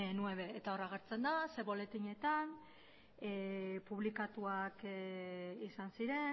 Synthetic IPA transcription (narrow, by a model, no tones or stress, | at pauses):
nueβe̞ːt̪ao̞raɣ̞eɾt͡se̞nd̪ase̞βo̞le̞t̪iɲe̞t̪an | epuβ̞likat̪uak | isansiɾe̞